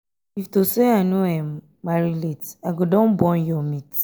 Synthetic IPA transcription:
iftoseanuãm | maɾiletaɡodɔ̃nbɔ̃njɔmit

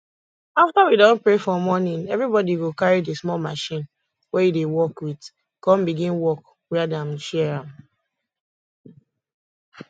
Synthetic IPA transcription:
aftawidɔ̃npɹefɔmɔnĩnɛvɹibɔdiwokaɹidesmɔlmaʃĩn | wɛjudewɔkwit | kɔ̃mbiɡĩnwɔk | wɛadãmʃɛɛɹãm

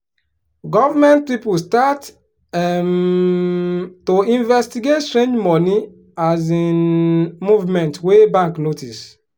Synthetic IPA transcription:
ɡɔvamɛ̃nt̚pipstat | m | toĩnvɛstiɡetstɾẽnd͡ʒmɔni | azinmuvmɛ̃ntwebãŋknotis

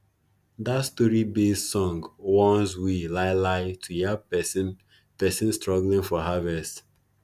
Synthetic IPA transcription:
datstɔɹibessɔ̃ŋɡwɔ̃nzwilaɪlaɪtʰujɛsn | pɛsɪ̃nstɹɔɡlĩŋfɔɦavɛst

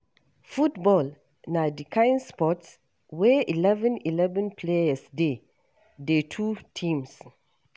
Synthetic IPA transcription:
futbɔl | nadikʰãj̃nspɔts | wɛʔilɛvə̃nilɛvə̃npʰleasde | detʰutʰĩms

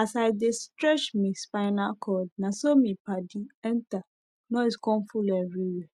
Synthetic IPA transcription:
asaɪdestɾɛt͡ʃmĩspaɪnakʰɔd̚nãsomĩpadiɛ̃nta | nɔ̃iskɔ̃nfulɛvɾiwɛ

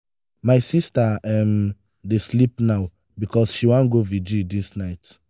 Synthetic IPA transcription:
maɪsistaɛm | deslipnaʊ | bikɔsʃiwãnɡovid͡ʒidisnaɪt

